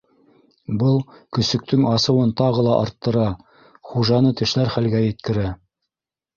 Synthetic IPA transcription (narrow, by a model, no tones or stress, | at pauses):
bɤlˠkɵ̆sɵ̆k̚t̪ɵŋɑsɤ̆wɤnt̪ɑʁɤ̆lˠɑʔɑɾt̪ːɤ̆ɾɑ | χuʒɑnɤt̪ɘ̆ʃlæɾχælɡæjɘ̆t̪̚kɘ̆ɾæ